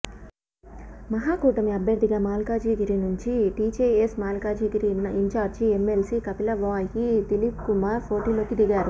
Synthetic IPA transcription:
mɐɦaːkuːʈɐmiɐbʱjɐɾd̪iɡaːmaːlkaːd͡ʒiːɡiɾinuɲt͡ʃiʈiːt͡ʃeesmaːlkaːd͡ʒiːɡiɾinɐiɲt͡ʃaːɾd͡ʒiemːelsikɐpilɐʋaːjit̪ilipkumaːɾpʰo̞ːʈiloːkid̪iɡaːɾu

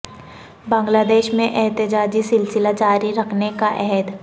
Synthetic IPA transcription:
bãːŋɡlaːd̪eːʃmẽʔɛɦt̪ɪd͡ʒaːd͡ʒisɪlsɪlad͡ʒaːɾiɾɐkʰnekaʔɛɦɛd̪

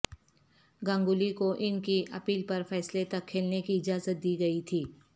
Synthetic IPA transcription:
ɡɐ̃ːŋɡʊlikoʔɪnkiʔɐ̰piːlpɐɾfɛːslet̪ɐkʰːeːlnekiɪd͡ʒaːzət̪̚d̪iːɡɐit̪ʰiː

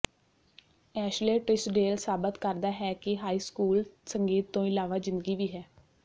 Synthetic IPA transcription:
ɛːʃleːʈɾɪsɖeːlsaːbət̪kəɾd̪aːɦɛːkɪɦaːiːskuːlsəŋɡiːt̪ːõːɪlaːʋaːzɪ̃nd̪əɡiːʋiːɦɛː

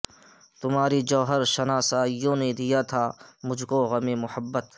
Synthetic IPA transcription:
t̪ʊmaːɾid͡ʒɔːɦəɾʃɐnaːsaːijõned̪ijat̪ʰaːmʊd͡ʒʱkoɣɐmemʊhəbːət̪

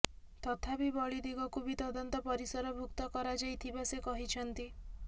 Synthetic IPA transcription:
t̪ɔt̪ʰabibɔɭid̪iɡɔkubit̪ɔd̪ɔnt̪ɔpɔɾisɔɾɔbʱukt̪ɔkɔɾad͡ʒajt̪ʰibasekɔɦit͡ʃʰɔnt̪i

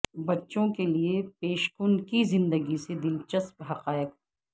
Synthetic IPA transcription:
bɐtːʃõkeliepeːʃkʊnkizɪ̃nd̪əɡised̪ɪlt͡ʃɐspɦɐqaːɪq

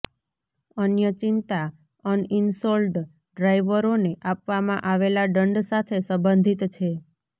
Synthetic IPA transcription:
ənjət͡ʃint̪a | ənɪnsolɖ | ɖɾajʋəɾoneʔapʋamãʔaʋelaɖəɳɖsat̪ʰesə̃mbənd̪ʱit̪t͡ʃʰe

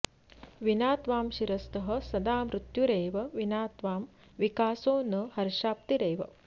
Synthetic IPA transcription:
ʋinaːt̪ʋaːmʃiɾɐst̪ɐɦɐ̆sɐd̪aːmɾut̪juɾeːʋɐʋinaːt̪ʋaːm | ʋikaːsoːnɐhɐɾʃaːp̚t̪iɾejʋɐ̰

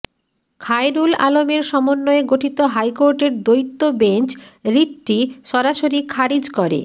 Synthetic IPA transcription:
kʰajɾula̰lomeɾʃɔmonːoeɡoʈʰit̪oɦajkoɾʈeɾd̪ojt̪ːobent͡ɕɾiʈːiʃɔɾaʃoɾikʰaɾid͡ʑkɔɾḛ

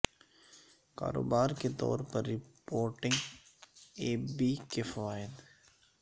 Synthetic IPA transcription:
ka̰ːɾo̰ːbaːɾket̪ɔ̰ːɾpɐɾːɪpoːɾʈɪ̃ŋɡ | eːbikefɐʋaːɪd̪

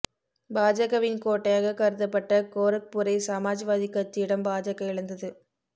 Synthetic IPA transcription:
baːd͡ʒɐɣɐʋɪnkoːʈːɐjaːɣɐkɐɾɯðɐpːɐʈːɐkoːɾɐk̚pʊɾɐɪsaːmaːd͡ʒiʋaːðɪkːɐt͡ʃːɪjɪɽɐmbaːd͡ʒɐɣɐɪɭɐnd̪ɐðɯ

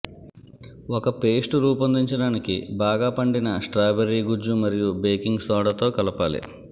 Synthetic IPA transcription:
ɔkɐpe̞ːsʈɾuːpɐnd̪iɲt͡ʃɐɽaːnikḭbaːɡaːpɐɳɖinɐsʈɾaːbeɾiːɡud͡ʒumɐɾijubeːkiŋɡsɔːɽɐt̪o̞ːkɐlɐpaːlḭ

